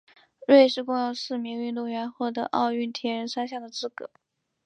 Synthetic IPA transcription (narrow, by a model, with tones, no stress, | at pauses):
ɻwe˥˧ɪʂɻ̩˥˧kʊ˥˧ŋjo˧ʊsɹ̩˥˩mi˧˥ŋy˥˧nt̪ʊ˥˩ŋɥɛ˧˥nxwɔ˥˩t̪ɤ̰˧˥ʔɑ̰˥˧ʊy˥˩nt̪ʰjɛ˧˥ɻə˧˥nsa˥ɕjɑ˥˩ŋd̪ə˩t͡sɹ̩˥˩kɤ̰˧˩˥